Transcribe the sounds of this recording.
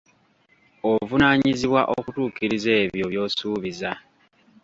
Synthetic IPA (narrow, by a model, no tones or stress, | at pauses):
ovunaːɲiziβwaʔokutuːkiɾizeːβjo̞βjo̞ːsuːβiza